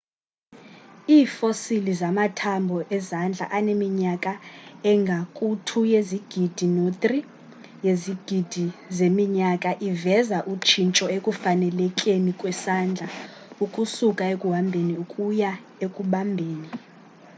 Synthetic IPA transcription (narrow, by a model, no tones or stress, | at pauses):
iːfosilizamatʰambʱɔʔɛzand͡ɮʱa̰ʔanemiɲakʼaɛŋɡʱakʼutʰujeziɡ̥ʱid̥ʱinot̪ʼri | jeziɡ̥ʱid̥ʱizemiɲakʼaʔivɛzaʔut͡ʃʰint͡ʃʼɔekʼufanɛlɛkʼenikʼwɛsand͡ɮʱa | ukʼusukʼaekʼuɦambʱeniukʼuja | ekʼuɓambʱeːni